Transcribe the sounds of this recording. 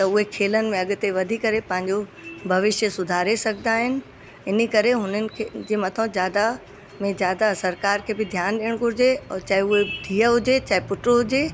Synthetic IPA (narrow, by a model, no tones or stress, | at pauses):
t̪ɐʊɦekʰeːlənɪ̆mẽɐɠʊ̆t̪eʋɐd̪ʱikɐɾepɐ̃ɦɪ̃ɲd͡ʑobʱɐʋɪʃjəsʊd̪ʱaːɾesɐɡʱd̪aːɦɪnɪ̆ | ɪnikɐɾeɦʊnənɪ̆kʰed͡ʑeːmɐt̪ʰə̃zjaːd̪a | mẽzjaːd̪asɐɾkaːɾkʰeːbɪd̪ʱjaːnɗiːəɽ̃ɡʱʊɾɪd͡ʑeɔt͡ɕaːɦiʊɦeɖʱiːəɦʊd͡ʑet͡ɕaːɦipʊʈɾoɦʊd͡ʑe